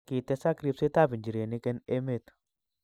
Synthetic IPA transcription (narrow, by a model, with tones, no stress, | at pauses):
ki˨t̪e˧sa˦kɾi˦pse˦t̪a˦bi˨nd͡ʒi˨ɾe˨ni˦ke˦ne˦me˦t̪